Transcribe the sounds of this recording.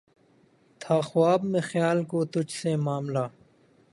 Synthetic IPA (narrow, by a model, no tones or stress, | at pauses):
t̪ʰaːxwaːbmẽːxjaːlkoːt̪ʊt͡ʃʰsemaːmlaː